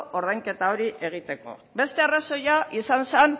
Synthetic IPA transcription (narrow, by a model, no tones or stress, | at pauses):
o̞ɾðajŋke̞t̪ao̞ɾiʔʔe̞ɣ̞it̪e̞ko̞̰be̞st̪e̞araso̞jaʔisansen